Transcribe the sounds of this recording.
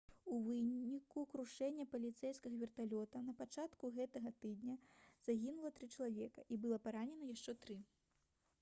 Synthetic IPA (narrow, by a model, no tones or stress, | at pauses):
uvɨnikukɾuʂɛnʲːɐpɐlʲit̪sɛjskɐɣɐvʲɛrt̪alʲɔt̪ɐnɐpat͡ʂat̪kuɣɛt̪ɐɣɐt̪ɨd̪nʲɐz̥aɣʲinulˠɐt̪ɾɨt͡ʂɐlˠavʲɛkɐʔibɨlˠɐpaɾanʲɛnɐjaʂt͡ʂɛt̪ɾɨ